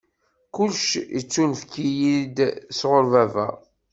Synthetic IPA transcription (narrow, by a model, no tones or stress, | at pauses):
kʊlʃjət͡sːunfkːijid̪sʁoɾvævæ̰